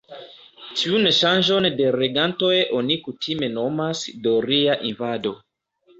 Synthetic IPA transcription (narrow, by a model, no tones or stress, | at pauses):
tiunʃanʒo̞nde̞ɾeɡanto̞jʔonikutʰime̞no̞masdo̞ɾiaʔinvado̞